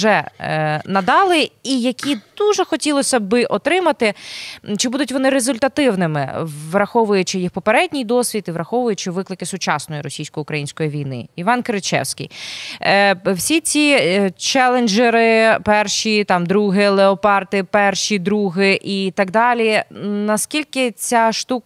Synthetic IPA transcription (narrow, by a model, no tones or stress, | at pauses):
ʒɛ | nɐd̪ɑlˠɪijɐkʲid̪̥uʒɛxɔtʲilˠɔsʲɐbɪʔɔt̪ɾɪmɐt̪ɪt͡ʃɪbud̪ʊtʲʋɔnɪɾezʊlʲt̪ɐt̪ɪwnɪmɪ̰ʋɾɐxɔʋʊjʊt͡ʃɪjixpɔpeɾɛdʲnʲijd̪ɔsʲʋʲit̪iʋɾɐxɔʋʊjʊt͡ʃɪʋɪklˠɪkɪsʊt͡ʃɑsnɔjiɾɔsʲijsʲkɔjʊkɾɐjinʲsʲkɔjiʋʲijnɪ̰iʋɑnkɾɪt͡ʃɛ̰wsʲkʲḭj | wsʲit͡sʲit͡ʃɛlˠenʲd͡ʒeɾɪpɛrʃit̪ɑmd̪ɾuɦɪlˠeɔpɑrt̪ɪpɛrʃid̪ɾuɦɪʔit̪ɐɡd̪ɑlʲinɐskʲilʲkɪt͡sʲaʃt̪uk